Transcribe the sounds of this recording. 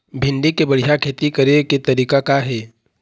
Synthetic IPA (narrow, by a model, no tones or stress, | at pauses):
bʱɪ̃nɖikebɐɽ̤ijakʰeːt̪ikɐɾeket̪ɐɾiːkakaɦɛː